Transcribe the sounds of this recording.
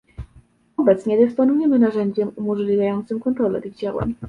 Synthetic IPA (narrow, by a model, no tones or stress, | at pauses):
ɔbɛt̪sɲɛd̪ɘspɔnujɛmɘnaʐɛɲd͡ʑɛmumɔʐlʲivʲjajɔnt̪sɘmkɔnt̪ɾɔlɛ̰t̪ɘɣd͡ʑawa̰ɲ